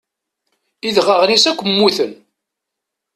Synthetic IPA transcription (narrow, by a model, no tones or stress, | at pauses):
iðʁəʁnisækʷːəmːuθən